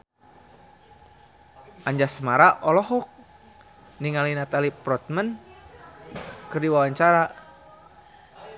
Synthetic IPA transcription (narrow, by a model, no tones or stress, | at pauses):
ʔaɲd͡ʒasəmaɾaʔɔlɔɦɔk̚ | niŋalinat̪alipɾɔt̪̚mən | kɨrdiwawaɲt͡ʃaɾa